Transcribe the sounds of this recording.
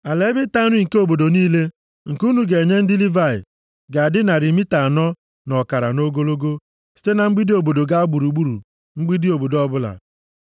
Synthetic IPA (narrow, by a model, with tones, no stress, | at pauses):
a˨le˦bɪ˦ta˦ɾi˦˨ŋ̩˨ke˦o˦˨bo˨do˨niː˦le˦ | ŋ̩˨ku˦nu˨ɡe˨ɲe˦n̩˦dɪ˦li˦va˦˨ɪ̰˨ | ɡa˨a˨dɪ˦na˨ɾi˨mi˦ta˨a˨nɔ˦ | nɔ˨ka˨ɾa̰˨no˦ɡo˦lo˦ɡo˦ | si̥˦te˦na˨ŋ͡m̩˦ɡ͡bi˦di˦o˨bo˨do˨ɡa˦a˦ɡ͡bu˨ɾu˨ɡ͡bu˦ɾṵ˨ | ŋ͡m̩˦ɡ͡bi˦di˦o˨bo˨dɔ˦bʊ˦la̰˨